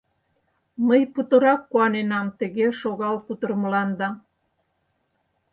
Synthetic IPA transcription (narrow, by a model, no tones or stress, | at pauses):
məjput̪ə̆ɾɑkːuɑnenɑmt̪ə̆ɣeʃoɣɑlput̪ərməlɑnd̪ɑ